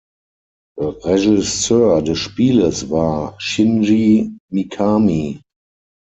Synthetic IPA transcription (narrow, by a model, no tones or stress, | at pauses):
ðəʁɛʒɪstɜdəʃpiːləsvaːʃɪ̃nʒimikʰami